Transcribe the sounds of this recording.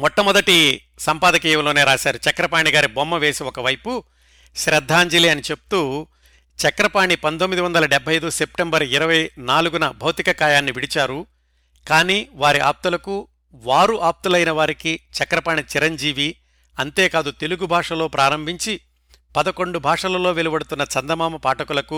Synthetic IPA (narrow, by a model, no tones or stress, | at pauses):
mɔʈːɐmɔd̪ɐʈi | sɐmpaːd̪ɐkiːjɐmlo̞ːne̞ːɾaːʃaːɾut͡ʃɐkɾɐpaːɳiɡaːɾibomːɐʋe̞ːsiɔkɐʋɐjpu | ʃɾɐd̪ʱːaːɲd͡ʒiliɐnit͡ʃe̞pu̥t̪u | t͡ʃɐkɾɐpaːɳipɐnt̪omːid̪iʋɐnd̪ɐlɐɖɛbʱːɐjɐjd̪use̞p̚ʈembɐɾiɾɐʋɐjnaːluɡunɐbʱɐwt̪ikɐkaːjaːnːiʋiɽit͡ʃaːɾu | kaːniːʋaːɾiʔa̰ːp̚t̪ulɐku | ʋaːɾuʔaːp̚t̪ulɐjnɐʋaːɾikit͡ʃɐkɾɐpaːɳit͡ʃiɾɐɲd͡ʒiːʋi | ɐnt̪e̞ːkaːd̪ut̪e̞luɡubʱaːʂɐlo̞ːpɾaːɾɐmbʱiɲt͡ʃi | pɐd̪ɐko̞ɳɖubʱaːʂɐlɐlo̞ːʋelibɐɽut̪unːɐt͡ʃɐnd̪ɐmaːmɐpaːʈɐkulɐku